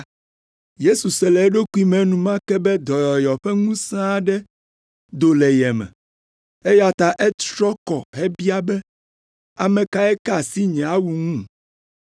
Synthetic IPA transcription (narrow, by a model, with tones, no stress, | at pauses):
je˦su˨sɛ˨lɛ˨˦ɖo˦ku˦i˦mɛ̃˨nũ˨mã˦kɛ˦bɛ˦d̪ɔ˨jɔ˨jɔ˨ɸɛ˦ŋũ˦sã˦ɖɛ˦ | d̪o˦lɛ˨jɛ˨mɛ̰̃˨ | e˦ja˨t̪a˨ʔɛ˦t̪ɾɔ˦kɔ̰˨ɦɛ˦bi˦a˦bɛ˦ | a˨mɛ̃˨ka˦ɛ˦ka˦˨si˦ɲɛ̃˨a˦wu˨ŋũ˦